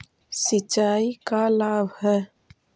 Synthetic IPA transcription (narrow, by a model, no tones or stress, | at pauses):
sɪt͡ʃːaːikalaːbhɛ